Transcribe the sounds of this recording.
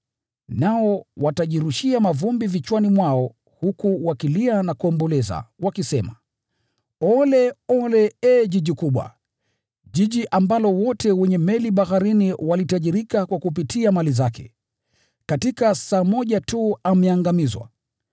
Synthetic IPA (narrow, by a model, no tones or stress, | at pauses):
naɔwataʄiɾuʃiamavumbivit͡ʃwanimwaɔ | hukuwakilianakuɔmbɔlɛza̰wakisɛma | ɔlɛɔlɛɛʄiʄikuɓwa̰ | ʄiʄiʔambalɔwɔtɛwɛɲɛmɛliɓaxaɾiniwalitaʄiɾikakwakup̬itiamalizakɛ̰ | katikasaːmɔʄatuamɛaŋɡamizwa̰